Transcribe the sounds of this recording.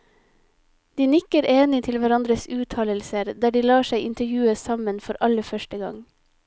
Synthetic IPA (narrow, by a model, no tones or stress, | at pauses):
d̪iːnɪkəɾʔeːnɪt̪ʰɪlʋæɾɑnd̪ɾəsʉːt̪ʰɑːləlsəɾd̪æːɖiːlɑːʃæɪʔɪ̰nt̪əɾjʉːəsɑmənfɔɾʔɑləfœʃʈəɡɑ̰ŋ